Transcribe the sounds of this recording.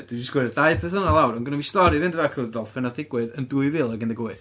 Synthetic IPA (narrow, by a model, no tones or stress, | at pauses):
d̥wid͡ʒəɪsɡ̥wɛdaɨpʰɛθənalˠawɾɔnɡənɔvistɔɾɨvɨndvɛkʰəlˠədɔlˠfɛnadɪɡwɨðənduɨvɨlˠaɡɪndəɡoɨθ